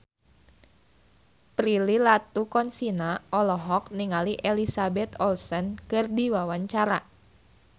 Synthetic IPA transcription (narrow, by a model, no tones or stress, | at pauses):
pɾililat̪ukɔnsinaʔɔlɔɦɔk̚niŋaliʔelisabɛt̪ɔlsənkɨrdiwawaɲt͡ʃaɾa